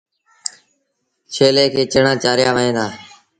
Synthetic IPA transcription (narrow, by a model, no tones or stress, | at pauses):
t͡ʃʰeːleːkʰeːt͡ʃəɳãːt͡ʃaːɾjaːʋəɦẽːd̪aː